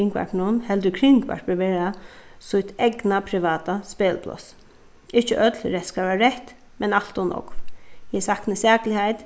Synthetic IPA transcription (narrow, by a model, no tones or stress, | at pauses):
ɪŋkʋa̰ɹknʊnhɛld̪əkʰɾɪŋkʋa̰ɹpəʋeːɾasʊjt̪ɛknapʰɾɪʋaːt̪aspeːlpʰlɔ̰s | ɪht͡ʃəʔœt̪lɾɛskaɾaɾɛht̪ | mɛnal̥t̪ʊnɔ̰kjɛsahknəsɛːklɪhajt̪